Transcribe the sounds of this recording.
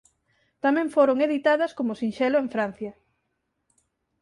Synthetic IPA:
t̪amẽɱfoɾoŋeðit̪aðɐskomʊsinʃɛloeɱfɾan̟θjɐ

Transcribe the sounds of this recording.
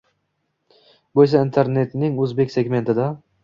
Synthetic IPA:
bojs̬aint̪ʰeɾne̞t̪nɪŋɵzbekʲse̞ɡme̞nt̪ʰɪd̪a

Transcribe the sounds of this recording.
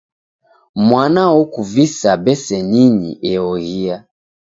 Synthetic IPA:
mwanawɔkuvisabɛsɛniɲḭʔɛɔɣia

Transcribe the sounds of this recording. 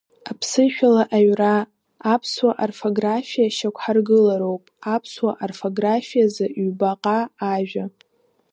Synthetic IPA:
apʰsɨʃᶣalaʔaɥraː | pʰswaʔarfoɡrafijaʃakʷʰħarɡɨlaɾowpʼapʰswaʔarfoɡrafijazɨʔɥbaqʼaːʒᶣa

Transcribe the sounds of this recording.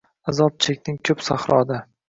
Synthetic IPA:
azɒp̚t͡ʃʰekʲnɪŋkʰɵpsa̰χɾɒd̪a

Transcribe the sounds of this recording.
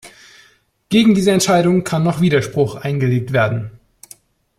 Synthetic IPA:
ɡ̥eːɡŋ̩diːzəɛntʃaɪɾʊŋkʰanːɔχv̥iːdɐʃpʁ̥ʊxʔaɪnɡəleːk̚tv̥eːɐdn̩

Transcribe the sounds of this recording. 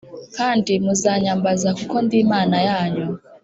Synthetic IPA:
kantimuzaɲambazakukɔnd̪imanajaɲɔ

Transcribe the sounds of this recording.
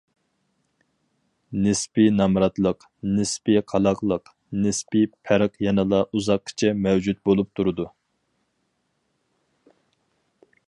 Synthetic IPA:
nɨspinɑmɾɑt̪lˠəq | nɨspiqʰɑlˠɑqlˠəq | nɨspipʰæɾɨqjɛnɨlˠɑʔuzɑqkʰːi̥t͡ʃʰɛmɛwd͡ʒut̪̚bolˠup̚t̪ʰuɾɨd̪u

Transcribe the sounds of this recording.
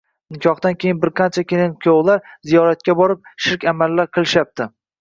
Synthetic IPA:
nɪkʲʰɒχd̪ankʲʰejɪnbɪɾqʰɑnt͡ʃʰakʲelɪnkʲʰowlaɾzijɒɾat̪̚kʲabɒɾɪp̚ʃɪɾkʲamalːaɾqʰɨlˠɪʃap̚t̪ʰɪ

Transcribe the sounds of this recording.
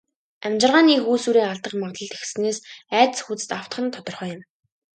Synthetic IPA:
æmt͡ɕɪ̆rʁaːniːxuːsuːɾiːaɮt̪ə̆qmaʁt̪ɮə̆ɮt̪exsɘ̆neːsæːt̪sxut͡sɘ̥̆t̪aw̥t̪χə̆nt̪ʰɔt̪ɞ̆rχœːjɪ̆m

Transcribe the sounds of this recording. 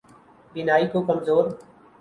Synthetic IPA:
bɪnaːikokɐmzoːɾ

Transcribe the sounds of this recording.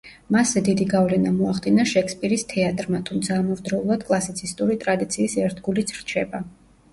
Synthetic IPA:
masːɛd̪id̪iɡavlɛnamɔaχd̪inaʃɛkʰspʼiɾist̪ʰɛat̪ʼɾmat̪ʰumt̪sʰaːmɔɾd̪ɾɛulˠad̪̥kʼlˠasit̪sʰist̪ʼuɾit̪ʼɾad̪it̪sʰiːsɛɾt̪ʰɡulit̪sʰɾt͡ʃʰɛba

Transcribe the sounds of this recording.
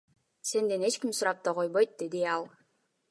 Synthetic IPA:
se̞nd̪e̞ne̞t͡ʃkimsʊɾɑp̚t̪oqo̞jβojt̪̚d̪e̞d̪iɑlˠ

